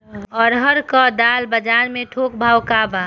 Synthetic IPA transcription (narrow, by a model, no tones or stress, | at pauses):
ɔːɾɦəɾkɔd̪aːlbəd͡ʒaːɾmẽʈʰoːkbʱaːwkaba